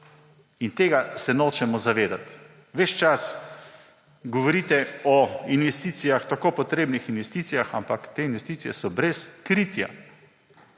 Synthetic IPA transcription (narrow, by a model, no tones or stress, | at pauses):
int̪eːɡasɛnoːt͡ʃɛmɔzaʋeːd̪at̪ | ʋɛʃt͡ʃas | ɡɔʋɔɾiːt̪ɛɔinʋɛst̪iːt̪sijaxt̪akoːpɔt̪ɾeːbnixinʋɛst̪iːt̪sijaxampakt̪eːinʋɛst̪iːsijɛsɔbɾɛskɾiːt̪ja̰